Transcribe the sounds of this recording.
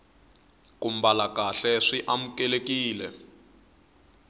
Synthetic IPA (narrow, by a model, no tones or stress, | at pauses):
kum̩balakaɬɛʂiʔam̩kɛlekiːlɛ